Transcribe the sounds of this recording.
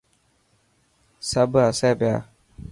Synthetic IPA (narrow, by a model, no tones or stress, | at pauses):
sabɨasɛbɛa̰